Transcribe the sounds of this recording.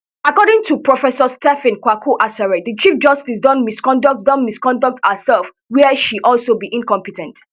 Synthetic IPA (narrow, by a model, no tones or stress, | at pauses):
akɔɾɪ̃ŋtʰupɹɔfɛsɔstɛfɪ̃nkwakʰuʔasɛɹɛdət͡ʃifd͡ʒʌstisdɔ̃nmiskɔ̃ndɔk̚tdɔ̃nmiskɔ̃ndɔk̚thəsɛlf | wiəʃiʔɔlsobiʔĩnkɔ̃mpitɛ̃nt